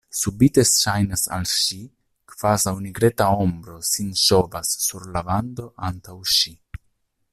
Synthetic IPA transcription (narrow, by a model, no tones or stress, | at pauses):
subit̪esʃajnasa̰lʃi | kv̥azawniɡɾet̪aombɾo̞sinʃovasːuɾlaband̪oʔant̪awʃi